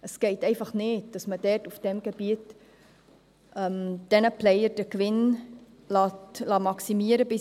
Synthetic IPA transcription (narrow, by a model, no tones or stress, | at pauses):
əsɡ̥eɪtɛɪfɑχneːt̚d̥ɑsmədɛrtufd̥ɛmɡəbiət | ʔəmd̥ɛnəplɛjərd̥əkʋɪn | lɑtlɑːmɑksimiəɾəbɪ